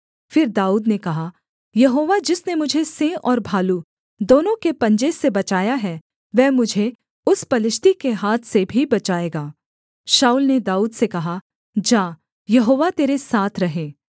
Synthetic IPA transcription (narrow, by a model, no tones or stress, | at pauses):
fɪɾd̪aːuːd̪nekɐɦa | jɐɦoːʋad͡ʒɪsnemʊd͡ʒʱesẽːʔɔːɾbʱaːlu | d̪oːnõkepɐ̃ɲd͡ʒesebɐt͡ʃaːjaɦɛ | ʋɛːmʊd͡ʒʱe | ʊspɐlɪʃt̪ikeɦaːt̪ʰsebʱibɐt͡ʃaːeːɡaː | ʃaːuːlned̪aːuːd̪sekɐɦa | d͡ʒaː | jɐɦoːʋat̪eːɾesaːt̪ʰɾɐɦẽː